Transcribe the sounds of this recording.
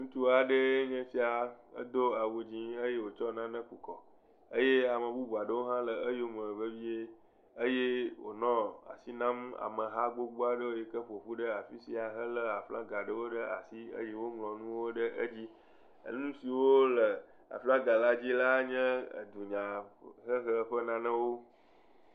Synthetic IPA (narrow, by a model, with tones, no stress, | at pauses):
ŋũ˦t̪u˦a˨ɖə˦e˦ɲɛ̃˦fi˦a˨ə̰˦d̪o˦a˨wu˨d͡ʑĩ˦ə˦je˦wo˨t͡ʃɔ˦nã˦nə̃˦ku˨kɔ˨ | ə˦je˦a˨mə̃˨bu˦bu˨a˨ɖə˦wo˦ɦã˦lə˨ə˦jo˦m˨ɛ̃˨ve˦vi˦e˦ | ə˦je˦wo̰˨nɔ̃˦a̰˨si˦nã˦ma̰˨mə˨ɦa˦ɡ͡bo˦ɡ͡bo˦a˨ɖə˦wo˦e˨kə˦ɸo˨ɸu˦ɖə˦a˨fi˦si˦a˨ɦə˦lə˦a˨flã̰˦ɡa˨ɖə˦wo˦ɖə˦a˨si˦ə̰˦je˦wo˦ŋlɔ̃˨nũ˦wo˦ɖə˦ʔə̰˦d͡ʑi˦ | ə̰˦nũ˦si˨wo˦lə˨ | a̰˨flã˦ɡa˨la˦d͡ʑi˦la˦ɲɛ̰̃˦˨d̪u˨ɲã˨ɦə˦xə˦ɸə˦nã˦nə̃˦wo˦